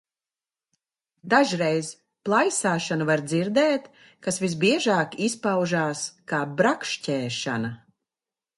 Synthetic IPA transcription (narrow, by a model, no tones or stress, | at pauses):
d̪aʒɾɛjz | plˠajsaːʃanuvaɾd̪ziɾd̪ɛːt̪ | kasvisbiɛʒaːkispawʒaːskaːbɾakʃcʲɛːʃa̰na